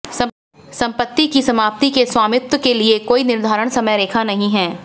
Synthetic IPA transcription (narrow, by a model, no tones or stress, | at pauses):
sɐ̃mpət̪ːikisɐmaːp̚t̪ikeswaːmɪt̪ːwəkeliekoːinɪɾd̪ʱaːɾəɽ̃sɐməjɾeːkʰanɐɦĩɦɛː